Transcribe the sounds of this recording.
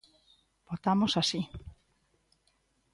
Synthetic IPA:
bot̪amosasi

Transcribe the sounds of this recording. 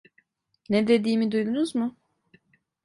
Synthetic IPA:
ned̪e̞d̪iːmid̪ujd̪unuzmʊ

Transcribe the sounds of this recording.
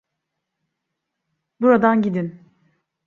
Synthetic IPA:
buɾad̪anɟid̪in

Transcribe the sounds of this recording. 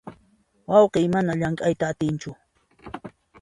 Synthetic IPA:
wɑwqeːmanaʎaŋkʼajt̪aːt̪ɪnt͡ʃʊ

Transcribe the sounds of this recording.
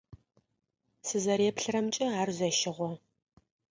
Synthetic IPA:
sɨzɐɾeːpɬɨrɐmt͡ʃʼɐaːrzɐʃɪʁʷɔ

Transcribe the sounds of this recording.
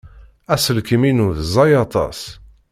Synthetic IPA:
æsəlkəminuðzˤɑjɑt̪ˤɑ̰s

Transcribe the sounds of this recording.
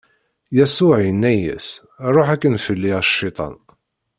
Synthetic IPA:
jæsʊʕinːæjæ̰s | ɾˤoħækːənfəlːiʃːit̪ˤɑ̰n

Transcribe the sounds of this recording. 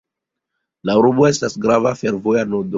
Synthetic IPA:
lauɾuboe̞stasɡɾavafe̞ɾvojanodo

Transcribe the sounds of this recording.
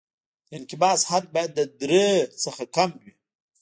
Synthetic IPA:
ɪnkɪbɑːshat̪̚bajad̪ːəd̪ɾet͡səxakamwi

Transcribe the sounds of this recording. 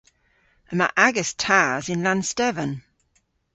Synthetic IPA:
əma̰ʔaɡəstʰaːzɪ̃nlãnstɛvə̃n

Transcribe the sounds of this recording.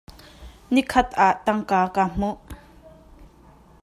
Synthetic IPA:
nikʰɐt̪̚ʔaːʔt̪ɐŋkaːkaːm̥uʔ

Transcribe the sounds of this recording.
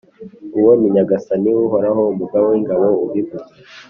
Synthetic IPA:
uwomiɲaɡasaniwuɦoɾaɦoumuɡawiŋɡaβouβiɡuze

